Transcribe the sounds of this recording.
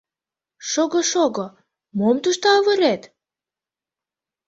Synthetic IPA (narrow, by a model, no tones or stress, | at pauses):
ʃoɣɤʃoɣɤ | momt̪uʃt̪ɑːβəɾet̪